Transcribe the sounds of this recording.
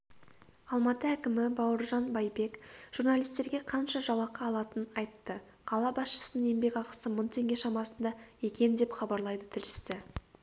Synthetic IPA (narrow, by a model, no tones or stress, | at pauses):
ɑlˠmɑt̪əækʲɪmɪbɑwəɾʒɑnbɑjbe̞kʒ̥uɾnalʲijst̪e̞ɾɡʲe̞qʰɑnʃɑʒɑw̪ˠɑqɑːlˠɑt̪ənɑjt̪ːə | qʰɑlˠɑbɑsʃə̥sənəne̞mbe̞kɑqə̥səmʊnt̪ʰe̞ŋɡʲe̞ʃɑmɑsənd̪ɑe̞kʲe̞nd̪e̞pχɑbɑɾlˠɑjd̪ət̪ʰɪlʃɪ̥sɪ